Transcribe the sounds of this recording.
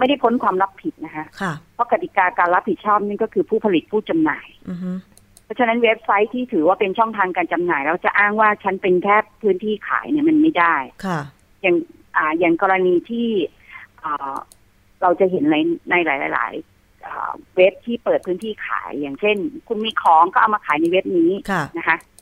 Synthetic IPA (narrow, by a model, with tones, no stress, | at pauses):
ma˥˩jda˥˩jpʰo˦˥nkʰwaː˧mɾa˦˥pʰi˨˩t̪̚na˦˥kʰa˦˥ʔʰpʰɔ˦˥ka˨˩t̪i˨˩kaː˧kaː˧nɾa˦˥p̚hi˨˩t̪̚t͡ɕʰɔː˥˩p̚na˥˩nkɔː˥˩kʰɯː˧pʰuː˥˩pʰa˧li˨˩t̪̚pʰuː˥˩t͡ɕa˧mnaː˨˩j | pʰɔ˦˥t͡ɕʰa˧na˦˥nwe˦˥p̚sa˦˥jt̪ʰiː˥˩t̪ʰɯː˩˦waː˥˩pe˧nt͡ɕʰɔ˥˩ŋt̪ʰaː˧ŋkaː˧nt͡ɕa˧mnaː˨˩jlɛː˦˥kt͡ɕa˨˩ʔaː˥˩ŋwaː˥˩t͡ɕʰa˦˥npe˧nk̪ʰɛː˥˩pʰːɯː˦˥nt̪ʰiː˥˩kʰa̰ː˩˦jni˥˩ɐma˧nma˥˩jdaː˥˩jkʰ | ja˨˩ŋ | ʔaː˨˩ja˨˩ŋkɔː˧ɾa˧niː˧t̪ʰiː˥˩ | ʔəː˨˩ | ɾa˧wt͡ɕa˨˩ɦe˩˦nːa˧jna˧jlaː˩˦jlaː˨˦jla̰ː˩˦j | ʔɤ̰ː˨˩we˦˥p̚t̪ʰiː˥˩pɤː˨˩t̪̚pʰɯː˦˥nt̪ʰiː˥˩kʰa̰ː˩˦jːaː˨˩ŋt͡ɕʰe˥˩nkʰu˧nmiː˧kʰɔː˨˩˦ŋkɔː˥˩ʔa˨˩wmaː˧kʰaː˩˦jna˧jwe˦˥p̚niː˦˥˧na˦˥kʰa˦˥ʔ